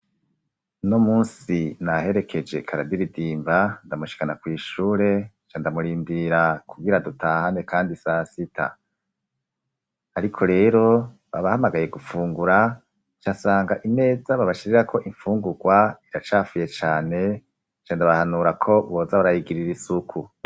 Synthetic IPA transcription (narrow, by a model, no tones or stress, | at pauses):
nomuːnsinaɦe̞ɾe̞kʰe̞d͡ʒe̞kʰaɾadiɾidiːmbandamuʃi̥kanakwiːʃuːɾe̞ | t͡ʃandamuɾiːmbiɾakuɡiɾadutʰaːhanekaːndisasitʰa̰ | aɾikʰo̞ɾe̞ːɾo̞ | βa̰βahamaɡaje̞ɡufuːŋɡuɾa | t͡ʃasaːŋɡaʔine̞ːzaβaβaʃiɾeɾakʰo̞ʔiɱfuːŋɡuɡwaiɾat͡ʃaːfuje̞t͡ʃaːne̞ | t͡ʃanndaβahanuːɾakʰo̞βo̞ːzaβaɾahiɡiɾiɾisukʰu